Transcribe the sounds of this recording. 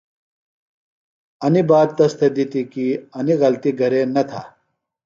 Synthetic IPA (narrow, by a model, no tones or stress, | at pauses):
ɐnibaːd̪̚t̪ɐst̪ʰed̪it̪ikiɐniɣɐlt̪iɡʱɐɾenɐt̪ʰa̰ː